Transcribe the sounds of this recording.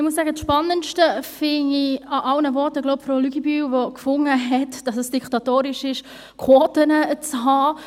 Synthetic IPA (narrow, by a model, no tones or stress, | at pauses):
ɪmus̬ːæːɡət͡sʃpɑnːəntʃtəfɪniɑʔɑlnəvɔɾtəɡloʊpfɾoːlyɡibyːvɔkfʊŋːəɦɛtd̥ɑsəsd̥iktɑtoːɾɪʃɪʃ | kʰoːtənət͡shɑː